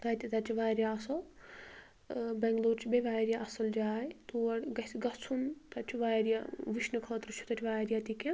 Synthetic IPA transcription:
t̪ɐjt̪it̪ɐt͡ʃʲʰiʋaːɾjaɐsɐw | bɛŋɡloːɾt͡ʃʰibeʋaːjɾijaʔɐsɐld͡ʒaːjt̪uɐɽɡɐsɡɐt͡sʰunt̪ɐt͡ʃʰuʋaːjɾjaʋiʃnɨkʰɐːt̪ɾɨt͡ʃʰu̥t̪ɐt̪ʲʰiʋaːɾjat̪ikʲe

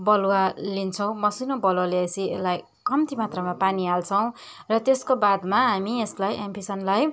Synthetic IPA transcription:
bʌlwalint͡sʰʌ̃w̃mʌsinobʌlwaleʌsielaj | kʌmt̪imat̪rʌmapanialt͡sʰʌw̃ | rʌt̪eskobad̪maɦamieslajʔempisʌnlaj

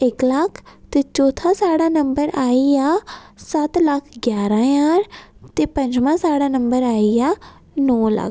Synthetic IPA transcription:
ɪkləkʰt̪eːt͡ʃɔːt̪ʰãːsaːɽaːnəmbəɾaːijaːsət̪ləkʰɡjaːɾãːjãːɾt̪eːpə̃ɲd͡ʒmãːsaːɽaːnəmbəɾaːijaː | nɔːlə̰kʰ

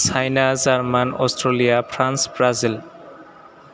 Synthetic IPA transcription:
sʰajnazaɹmanɔ̰stɾolijapʰɾansbɹazil

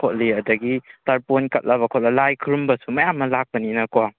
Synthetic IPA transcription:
kʰot̚liɐdɐɡitɐɾponkɐt̚lʔɐβɐkʰot̚lɐlajkʰɾumbɐsumɐjamːɐlak̚pɐninɐkoa

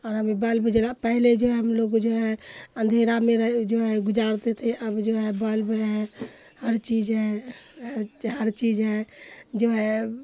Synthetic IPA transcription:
ɔɾɦəmibəlbʱud͡ʒelapəɦled͡ʒoɦeɦəmloɡd͡ʒoɦɛənd̪ʱeɾameɾəɦd͡ʒoɦɛɡud͡ʒaɾt̪et̪ʰiʔəbd͡ʒoɦɛbəlbəɦɛ | həɾt͡ʃid͡ʒɦɛɦəɾɦəɾt͡ʃid͡ʒɦɛ̃d͡ʒoɦɛ

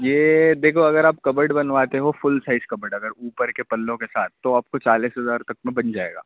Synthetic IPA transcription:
jeːd̪eːkʰoɐɡəɾaːp̚kɐbəɾɖbɐnʋaːt̪eɦofʊlsaɪzkɐbəɖɐɡəɾuːpəɾkepɐlːõkesaːt̪̚ʰːoaːp̚kot͡ʃaːliːsɦɐzaːɾt̪ɐk̚mẽbɐnd͡ʒaːḛːɡa̰ː

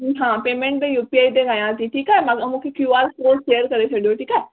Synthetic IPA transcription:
ɦãːpeːmɛ̃ɳʈ̚d̪ejuːpiaːid̪eɡãːjãːd͡ʒiʈʰiːkɛːmaɡmũkʰekjuːaːlsoːsʃeːəɾkəɾet͡ʃʰəɽeoːʈʰiːkɛː

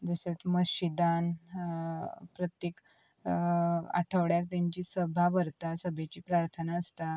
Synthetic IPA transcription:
d͡zəɕet̪məɕid̪an | pɾət̪jek | a̰ʈʰəʋɽjak̚t̪jaɲt͡ɕiːsəbʱaʋəɾt̪asəbʱet͡ɕiːpɾaɾt̪ʰənaəst̪a

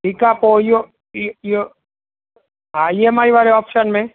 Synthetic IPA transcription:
ʈʰiːkaːpojo | jo | ɦajemaːiʋaːɾeɔːpʃənmẽ

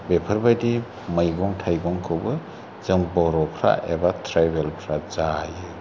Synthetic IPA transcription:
bepʰɐɾbajdi | mɯjɡɔŋtʰajɡɔŋkʰɯwbɯ | zɯŋbɔɾɔpʰɾa̰ʔebatʰɾajbelpʰɾazajɯ

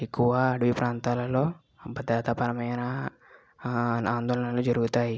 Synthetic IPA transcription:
ikuaːɖuipɾant̪alalo | bəd̪ɾat̪apaɾamajana | nand̪ɔlnalud͡ʒəɾut̪ai

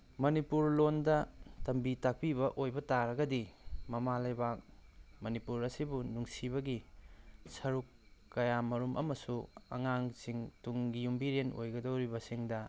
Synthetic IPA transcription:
mɐnipuɾlondɐtɐmbitak̚piβɐʔojbɐtaɾɐɡɐdimɐmalɐjbak̚mɐnipuɾɐsibunuŋsiβɐɡi | sɐɾukːɐjamɐɾumʔɐ̰mɐsuɐ̰ŋaŋsiŋtuŋɡijumbiɾeno̰jɡɐdowɾibɐsiŋdɐ

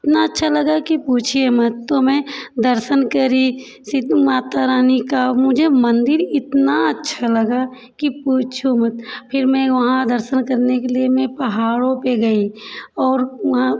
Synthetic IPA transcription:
ɪt̪naɐtːʃʰalɐɡakipuːt͡ʃʰiemɐt̪t̪omɛ̃d̪əɾʃənkəɾi | sɪt̪maːt̪aɾaːnikamʊd͡ʒʱemɐ̃nd̪ɪɾɪt̪naətːʃʰalɐɡa | kipuːt͡ʃʰumɐt̪pʰɪɾmɛ̃ʋɐɦãd̪əɾʃənkəɾnekeliemẽpɐɦaːɽõpeɡɐiɔːɾʋɐɦã

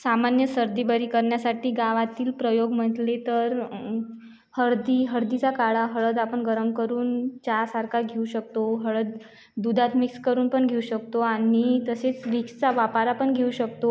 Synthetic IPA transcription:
samanjəsəɾd̪ibəɾiːkəɾɳjasaʈiːɡaʋat̪iːlpɾəjoɡm̤əʈ̪let̪əɾ | həɾd̪iɦəɽd̪it͡sakaɭaɦəɭəd̪apəɳɡəɾəmkəɾuːnt͡ɕasaɾkʰaɡʱeuɕək̚t̪oɦəɭəd̪ | d̪ud̪ʱat̪mikskəɾuːnpəɳɡʱeuɕək̚t̪oanit̪əset͡sʋikst͡saʋapaɾapəɳɡʱeuɕəkt̪o

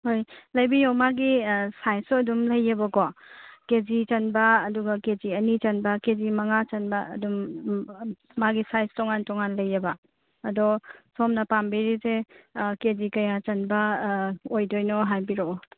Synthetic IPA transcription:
hojlɐjbiɾomaɡisajsɐdumlɐjɐbɐkɔkezit͡ʃɐnbɐːduɡɐked͡ʒiɐnit͡ʃɐnbɐkezimɐŋat͡ʃɐnbɐ̰ːdum | aɡisajstɔŋantɔŋanlɐjːɐbɐː | dɔsomnɐpambiɾisekezikɐjat͡ʃɐnbɐ | ojdojnɔɦajbiɾo

